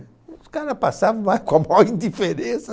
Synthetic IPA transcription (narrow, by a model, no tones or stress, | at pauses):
uskaɾɐpasavvajkwɐmɔwĩnd̪ifeɾẽsɐ